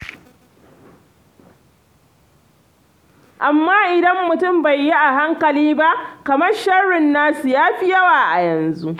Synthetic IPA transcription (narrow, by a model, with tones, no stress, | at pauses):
ʔa˨mːaː˦ʔɪ˨dɐ˦mːʊ˨tʊ˦˨mba˨jːi˦ʔa˨ɦa˦ŋkɐ˨liː˦ba˦ʔkɐ˨mɐ˦rʃɐ˦ɽɪ˨nːaː˦su˨jaː˦ɸi˦jɐ˦waː˨ʔa˨jɐ˨nzu˦ʔ